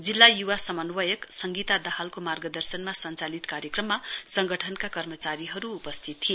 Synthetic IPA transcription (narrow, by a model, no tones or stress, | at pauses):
d͡zilːajuwasʌmʌnwʌjʌksʌŋɡit̪ad̪ʌhalkomarɡʌd̪ʌrsʌnmasʌnt͡salit̪kaɾjʌkrʌmːasʌŋɡʌʈʰʌnkakʌrmʌt͡saɾiɦʌɾuːpʌst̪ʰit̪ʰi